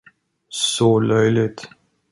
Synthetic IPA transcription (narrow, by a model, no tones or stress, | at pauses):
sɔlœjlɪt̪